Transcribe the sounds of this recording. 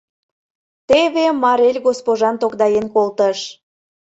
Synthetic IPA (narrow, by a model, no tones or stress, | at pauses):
t̪eβemɑɾelʲɣospoʒɑnt̪okd̪ɑjenkolt̪əʃ